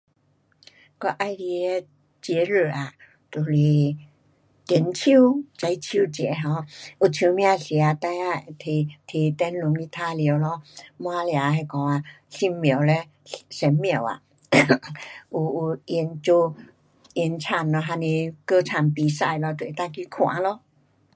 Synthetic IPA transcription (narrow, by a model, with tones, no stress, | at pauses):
kɔ˧ʔa˧jdi˧ɛ˧˦ | t͡ɕjɛ˨˧˦ɾə˨˩a˨˩ | t̪e˨˩le˨ | t̪jɛ˨˧˦nt͡ɕʰi˧˦wt͡sa˧˦jt͡ɕʰi˧˦t͡ɕjɛ˨˦ɦɔ˧˦ʔu˨˩t͡ɕʰi˧˦mj̃ã˧si˨˦a˧t̪a˧˦a˧t̪ʰe˨t̪ʰe˨t̪ɛ˧nlu˨˧˦ŋi˧t̪ʰa˧li˨˧˦wlɔ˧˦m˧a˧˦lja˨˧ɦa˧˦kɔ˨˧˦a˧ | si˧˩mː˧˨˩wlɛ˧˦ | sɛ˨˦mmə˧˩˨wa̰˨ | ʔu˨˧u˧i˧nt͡ɕo˧ | ji˧nt͡sʰa˧˩nlɔ˧ɦa˧ne˧kə˧t͡sʰa˧˩npi˨˦sa̰˧˨jlɔ˧t̪e˨˦t̪a˧ki˧kʰw̃ã̰˨˧˦lɔ˧